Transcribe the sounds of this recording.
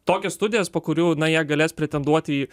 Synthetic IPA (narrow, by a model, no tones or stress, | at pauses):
t̪oːkʲɛsst̪ʊd̪ʲɪjɛspoːkʊɾʲuːnɐjiɛɡɐlʲeːspʲɾʲɛt̪ʲɛnd̪uɔt̪ʲiː